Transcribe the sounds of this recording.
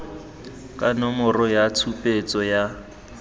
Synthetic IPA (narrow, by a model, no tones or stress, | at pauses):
kʼanɔmɔrɔjat͡sʰupʼet͡sʼɔja